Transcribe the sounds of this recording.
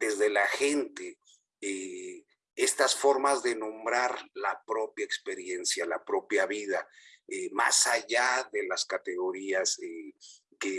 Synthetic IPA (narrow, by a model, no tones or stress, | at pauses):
d̪e̞zðe̞laxe̞nt̪e | e | e̞st̪asfo̞ɾmazðe̞nõ̞mbɾaɾlapɾo̞pjaekspe̞ɾje̞nsjalapɾo̞pjaβiðaema̰saʝaðe̞laskat̪e̞ɣo̞ɾiase | ke